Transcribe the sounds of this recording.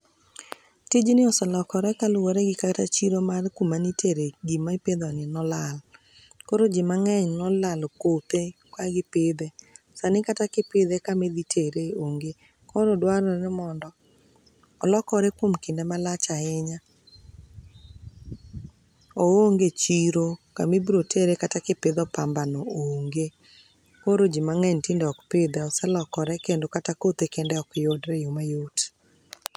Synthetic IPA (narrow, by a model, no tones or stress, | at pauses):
tɪd͡ʒnɪɔsɔlɔkɔɾɛkalʊwoɾɛɡɪkatat͡ʃiɾomarkumanitʰeɾeɡimaiped̪ɔnɪnɔlal | koɾod͡ʒɪmaŋɛɲnɔlalkot̪ekwaɡɪpɪd̪e | sanɪkatakɪpɪd̪ɛkamed̪itʰeɾeoŋɡe | kʰɔɾɔdwaɾɔɾɛmɔndɔ | ɔlɔkɔɾɛkwomkɪndɛmalat͡ʃaɪɲa | ooŋɡet͡ʃiɾoka̰mibɾotʰeɾekatakɪpɪd̪ɔpambanɔoŋɡe | poɾod͡ʒimaŋɛɲtɪndɔkpɪd̪ɛɔsɛlɔkɔɾɛkendokatakot̪ekendɛɔkjodɾɛjomajot